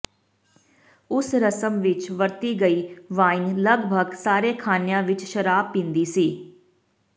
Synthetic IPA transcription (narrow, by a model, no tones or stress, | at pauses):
ʊsɾəsəmʋɪt͡ʃʋəɾt̪iːɡəiːʋaːinləɡbʱəɡsaːɾeːkʰaːnjãːʋɪt͡ʃʃəɾaːbːɪ̃nd̪iːsiː